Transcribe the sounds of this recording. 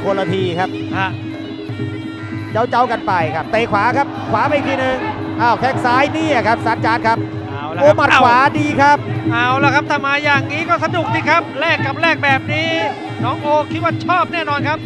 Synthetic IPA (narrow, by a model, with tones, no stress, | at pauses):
kʰo˧lːa˧t̪ʰiː˧kʰa˦˥p̚a˧˩ | t͡ɕa˦˥wt͡ɕa˧wka˧npa˧jkʰa˦˥p̚t̪eː˨˩kʰwaː˩˦kʰa˦˥p̚kʰwaː˩˦ma˧jt̪ʰiː˧nɯ˨˧ŋ | ʔaː˧˩wt̪ʰɛ˦˩k̚saː˦˥jniː˥˩ʔa˨˩kʰa˦˥p̚saː˨˦t̪̚t͡ɕaː˨˦˥t̚kʰa˦˥p̚ | ʔa˧˩wʔoː˧˦maː˨˧˩kʰwaː˩˦diː˧kʰa˦˥p̚ʔaː˧˩wlɛː˦˥kʰa˦˥p̚t̪ʰaː˥˧˩maː˧jaː˨˩ŋniː˦˥kɔː˥˩sa˧du˨˩k̚t̪ʰiː˧˥kʰa˦˥p̚lɛː˥˩kːa˨˩p̚ɾɛː˥˩k̚bɛː˨˩p̚niː˦˥ | nɔː˦˥ŋʔoː˧kʰi˦˥t̪̚waː˥˩t͡ɕʰɔː˥˩p̚nɛː˥˩nɔː˧nkʰa˦˥p̚